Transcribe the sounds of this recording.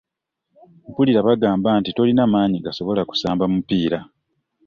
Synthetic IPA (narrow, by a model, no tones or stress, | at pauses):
puliɾaβaɡaːmbaːntito̞linamaːɲiɡaso̞βo̞laku̥saːmbamupːiːɾa